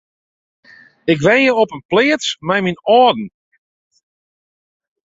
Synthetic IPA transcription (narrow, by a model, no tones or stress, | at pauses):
ɪkʋɛnjəɔpənplɪətt͡smɛjminɔdn̩